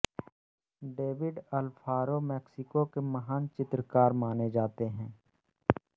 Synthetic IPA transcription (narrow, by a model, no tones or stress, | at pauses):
ɖeːʋɪɖɐlpʰaːɾomɛːksɪkokemɐɦaːnt͡ʃɪt̪ɾəkaːɾmaːned͡ʒaːt̪eɦɛ̃ː